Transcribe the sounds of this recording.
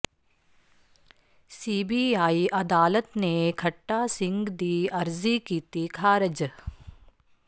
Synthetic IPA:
siːbiaːiʔɐd̪aːlət̪nekʰɐʈːaːsɪ̃ŋɡd̪iːɐɾzikiːt̪ikʰaːɾɐd͡ʒ

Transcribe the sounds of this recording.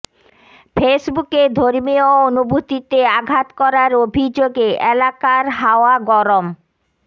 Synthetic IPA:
fʰesbuked̪ʱoɾmioonubʱut̪it̪eaɡʱat̪kɔɾaɾobʱid͡ʑoɡeʔelakaɾɦaoaɡɔɾom

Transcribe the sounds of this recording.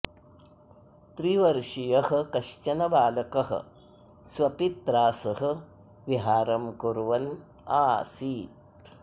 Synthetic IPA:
t̪ɾiʋɐɾʂijɐhɐ̆kɐʃt͡ʃɐnɐbaːlɐkɐɦɐ̰̆ | sʋɐpit̪ɾaːsɐɦɐ̆ | ʋiɦaːɾɐmkuɾʋɐn | aːsiːt̪̚

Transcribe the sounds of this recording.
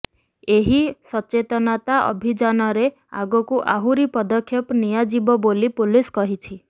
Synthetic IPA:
eɦisɔt͡ʃet̪ɔnat̪aʔɔ̰bʱid͡ʒanɔɾe | a̰ɡɔkuʔaɦuɾipɔd̪ɔkʰːjɔpnijad͡ʒibɔbolipuliskɔɦit͡ʃʰi

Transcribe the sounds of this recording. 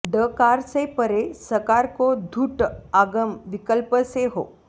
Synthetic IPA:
ɖəkaɾsepəɾesəkaɾkod̪ʱuːʈaɡəmʋikəlpəseɦo̰

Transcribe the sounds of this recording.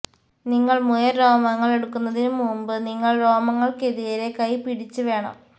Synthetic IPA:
niŋːɐɭmujɐɾoːmɐŋːɐɭe̞ɽukːunːɐðinumuːmbɨniŋːɐɭro̞ːmɐŋːɐɭkeðijɐɾe̞kɐjpiɽit͡ɕːuʋe̞ːɳɐ̰m

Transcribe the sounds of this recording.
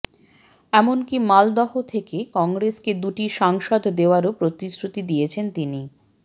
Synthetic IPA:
ɛmonkimald̪ɔɦot̪ʰekekɔŋɡɾesked̪uʈiʃaŋʃɔd̪d̪eoaɾopɾot̪isɾut̪id̪ijet͡ɕʰent̪ini

